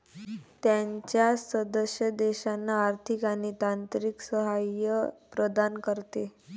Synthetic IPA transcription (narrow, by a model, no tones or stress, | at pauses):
t̪jaɲt͡ɕjasəd̪əɕjəd̪ɛɕanːaːɾt̪ʰikañit̪ant̪ɾiksəɦajəpɾəd̪ankəɾt̪e